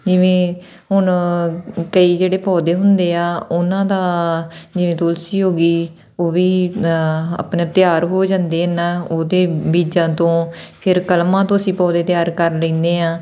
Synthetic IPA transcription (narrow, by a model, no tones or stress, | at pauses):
d͡ʒɪʋẽː | ɦʊɳ | kəiːd͡ʒeːɽeːpɔːd̪eːɦʊnd̪eːaːʊnãːd̪aːd͡ʒɪʋẽːt̪ʊlsiːɦoːɡiː | oːʋiː | a̰pneːt̪ɪjaːɾɦoːd͡ʒãːnd̪eːɪnãːoːd̪eːbiːd͡ʒãːt̪õːpʰɪɾkəlmãːt̪õːəsĩːpɔːd̪eːt̪ɪjaːɾkəɾlẽːnd̪eːãː